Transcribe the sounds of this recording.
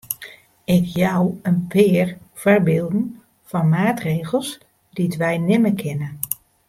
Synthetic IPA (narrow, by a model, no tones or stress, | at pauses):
ɪkʰjawənpʰɪːərfərbɪːlˠdn̩ | fɔnmaːtreːɣəlˠs | ditʋɛjnɪməkʰɪnə